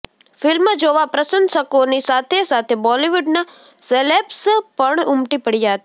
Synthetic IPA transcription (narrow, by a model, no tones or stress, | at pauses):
fɪlməd͡ʒoʋapɾəsənsəkonisat̪ʰesat̪ʰebɔliʋuɖna | selepspəɳʊmʈipəɽijaɦt̪i